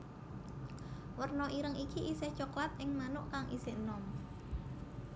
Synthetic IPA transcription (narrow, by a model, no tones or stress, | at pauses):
wərnɔʔiɾəŋikiʔisɛht͡ʃoklat̪̚ʔɪŋmanʊʔkaŋʔḭsenɔm